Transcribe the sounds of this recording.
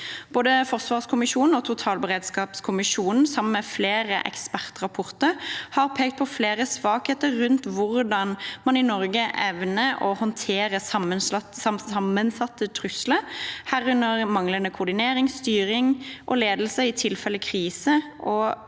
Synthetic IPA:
b̥oːd̪əfɔʁsʋɑːʁskʰʊmɪʃuːnn̩ɔt̪ʰʊt̪ʰɑːlbəʁeːd̪skɑːpskʰʊmɪʃuːnn̩sɑməmɛfleːʁə̰ʔɛ̰kspæʁt̪ʁɑpʰɔʁt̪əɾhɑʁpʰeːkt̪̚pʰɔfleːʁəsʋɑːkheːt̪əɾːʉnt̪ʋʊʁd̪ɑnmɑnɪnɔʁɡəʔɛʋnəɔhɔnt̪ʰeːʁəsɑə | ɑmːənsɑt̪ːət̪ʰʁʉsləhæːʁʉnəʁmɑŋlənəkʰʊʁd̪ɪneːɾɪŋst̪yːʁɪŋʔɔ̰leːd̪əl̩səɪt̪ʰɪlfɛlːəkʰʁiːsəʔɔ

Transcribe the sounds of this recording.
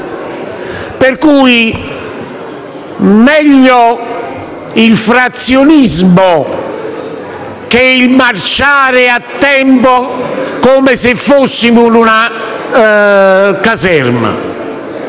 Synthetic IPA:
peɾkuːi | mɛʎːɔ | ilfɾat̪sːjonizmɔ | keilmart͡ʃaːɾɛat̪ːɛmpɔkomɛsefːosːimununa | kazɛɾma̰

